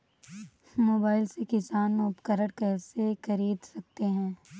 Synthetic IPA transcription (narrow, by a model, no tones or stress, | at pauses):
moːbaːɪlsekɪsaːnʊpkəɾəɽkɛːsexɐɾiːd̪sɐk̚t̪eɦɛ̃ː